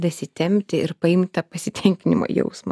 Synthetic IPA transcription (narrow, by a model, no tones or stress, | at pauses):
d̪ɐsʲɪt̪ʲɛmʲt̪ʲɪʔɪɾpɐɪmt̪ʲt̪ɐpɐsʲɪt̪ʲɛŋʲkʲɪnʲɪmo̰jɛ̰ʊsmɐ